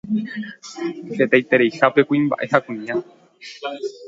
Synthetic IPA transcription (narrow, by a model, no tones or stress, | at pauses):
het̪ajt̪eɾejhape̞kuĩmba̰ʔe̞hakũɲã